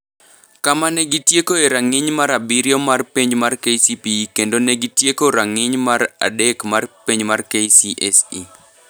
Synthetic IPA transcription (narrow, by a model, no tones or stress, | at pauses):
kamanɛɡitjekoeɾaŋɪɲmaɾabiɾjomarpiɲmarkesipikendonɛɡitjekoɾaŋɪɲmaɾa̰dɛkmarpiɲmarkesiʔɛsi